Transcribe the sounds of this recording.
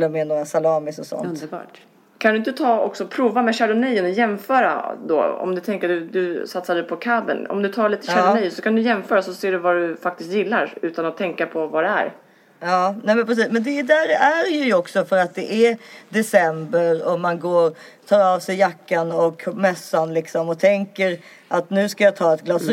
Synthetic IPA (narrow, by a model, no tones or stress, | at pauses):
lːəmɛnoːɾasalɑːmɪsɔsɔ̰nb̰ | kʰand̪ɵɪnt̪ət̪ʰɑːɔ̰ksɔpʰɾuːvamɛɕæɾʊnɛjənɔjɛmfœːɾa̰d̪ɔ̰ːɔ̰md̪ɵt̪ʰɛŋkəd̪ɵd̪ɵsat̪sad̪ɛjpʰɔkʰabə̰nɔ̰md̪ɵt̪ʰɑːɭiːt̪ə̥ɕænɛjsɔkʰand̪ɵjɛmfœːɾasɔseːɖɵvad̪ɵfak̚t̪ɪst̪jɪlːaɾʉ̟ːt̪anat̪ʰːɛŋkapʰɔvad̪ɛæ̰ɾ | ɑːnɛmɛnpʰɾɛs̬iːsmɛnd̪ɛd̪æɾæɾjɵjɔksɔfœɾat̪̚d̪ɛʔæd̪ɛsɛmbəɾɔmanɡoːɾt̪ʰɑːɾɑːvsɛjːakːanɔkmɛsːanlɪksɔmɔt̪ʰɛŋkəɾ | ʔat̪nʉ̟ːskajɑːt̪ʰɑːɛt̪ɡlɑs